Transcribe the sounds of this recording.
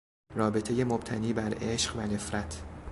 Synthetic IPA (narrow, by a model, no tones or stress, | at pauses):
rɒːbe̞t̪ʰe̞je̞mob̥̚t̪ʰæniːbæɾeʃɢvæne̞fɾæt̪ʰ